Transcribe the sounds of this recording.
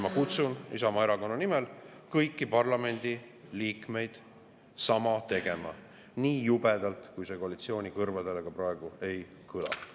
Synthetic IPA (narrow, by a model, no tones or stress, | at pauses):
mɑkut̪sunḭsɑmɑeɾɑko̞nːɑnimelkɤjkːipɑrlɑme̞nʲd̪̥i | liːkme̞jd̪̥ | sɑmɑt̪e̞ɡ̥e̞mɑ̰ | niːjub̥ed̪̥ɑlt̪kujse̞koɑlit̪sio̞ːnʲikɤrvɑd̪e̞leɡ̥ɑprɑeɡ̥ue̞j | kʰɯlɑ̰